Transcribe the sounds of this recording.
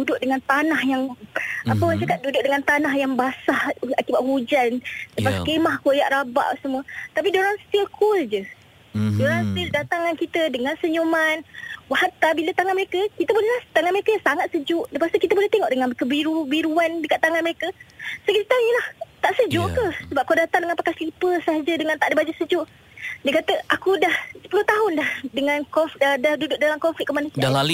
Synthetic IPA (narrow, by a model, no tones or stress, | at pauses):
dudʊʔdəŋant̪anahjaŋapəwat͡ʃakat̪̚dudʊʔ̚dəŋant̪anaɦjaŋbasahakibaʔ̪ɦud͡ʒandəpaskemahkojaʔɾaba̰ʔsəmũət̪apidoɾaŋst̪ilkʰuld͡ʒə | doɾaŋst̪ildat̪aŋankit̪ədəŋansəɲumanwahat̪abilət̪aŋanməɾekəkit̪əbolehlaht̪aŋanməɾekəsaŋat̪̚səd͡ʒʊʔdəpast̪ikit̪əbolɛht̪eŋɔʔdəŋãnkəbiɾubiɾuandəkaʔt̪ːaŋanməɾekəsokit̪ajəlaht̪aʔsəd͡ʒuʔkəsəbap̚kodat̪aŋdəŋãnpakajslipəsəɦad͡ʒədəŋãnt̪aʔdibad͡ʒasəd͡ʒʊʔ | diəkat̪əʔakudahsəpəlʊht̪aɦʊndahdəŋãnkɔfddahdudʊʔ̚dalaŋkɔfit̪̚kəmanusiadalalu